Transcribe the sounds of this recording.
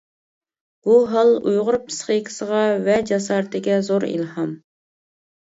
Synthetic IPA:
b̥uɦɑlˠujʁʊɾpʰɨ̥sχəkʲʰɪ̥səʁɑvɛd͡ʒɑs̬ɑːɾt̪ʰɪɡʲɛzoɾḭlhɑm

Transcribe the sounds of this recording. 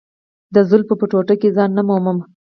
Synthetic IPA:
d̪əzʊlpəpəʈoʈəkezɑnːamoməm

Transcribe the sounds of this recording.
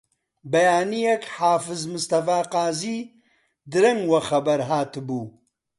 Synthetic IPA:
bɐjaːnijekħaːfɨzmɨst̪ɐfaːqaːziː | d̪ɨɾɐŋɡwɐxɐbɐɾɦaːt̪buː

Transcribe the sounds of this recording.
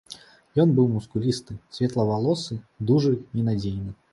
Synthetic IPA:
jɔnbɨwmuskulʲist̪ɨsʲvʲɛt̪lˠɐvalˠɔsɨd̪uʐɨinad͡zʲejnɨ

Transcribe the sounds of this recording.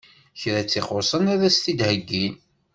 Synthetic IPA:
çɾæt͡sːiχosˤənæɾæst̪id̪həɡːin

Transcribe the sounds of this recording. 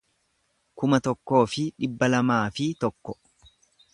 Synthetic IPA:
kʊmɐt̪ɔkːo̞ːfɪᶑɪbːɐlɐmaːfɪt̪ɔkːɔ

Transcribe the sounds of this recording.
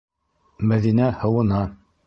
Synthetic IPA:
mæðinæhɤ̆wɤ̆nɑ

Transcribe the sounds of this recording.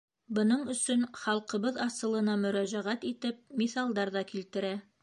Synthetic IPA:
bɤ̆nɤɴɵ̆sɵnχɑlˠqɤ̆βɤðɑsɤ̆lˠɤ̆nɑmɵ̆ɾæʑæʁæt̪it̪ɘp̚miθɑlˠd̪ɑɾðɑkilt̪ɘ̆ɾæ

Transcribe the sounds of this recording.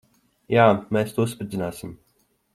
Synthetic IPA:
jaːmeːst̪uːusped̪zʲinaːsim

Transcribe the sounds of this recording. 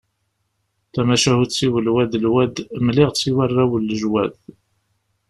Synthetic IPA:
θæmæʃæhut͡sːiwəlwæd̪əlwæd̪mlɪʁt͡sːiwarˤːæwəlːəʒwæð

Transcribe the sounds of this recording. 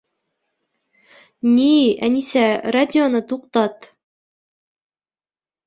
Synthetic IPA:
nʲiænisæradʲɪonɤt̪uqt̪ɑt̪

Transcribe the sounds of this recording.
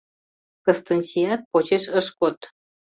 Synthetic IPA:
kəst̪ə̆nʲsiɑt̪̚pot͡ɕeʃəʃkot̪

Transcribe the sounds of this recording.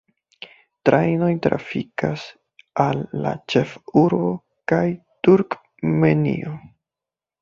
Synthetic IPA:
tɾʔajno̞jtɾʔa̰fikas | alːa̰t͡ʃe̞fuɾbo̞ | kaj | tuɾk | menḭʔo

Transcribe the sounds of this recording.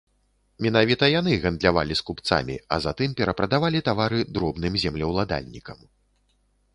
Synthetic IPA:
mʲɛnavʲit̪ɐjan̪ɨɣɐnd̪lʲava̰lʲiskupt̪sa̰mʲḭɐ̰zat̪ɨmpʲɛɾɐpɾɐd̪avalʲit̪avaɾɨd̪ɾɔbnɨmzʲɛmlʲɐwlˠad̪a̰lʲnʲikɐm

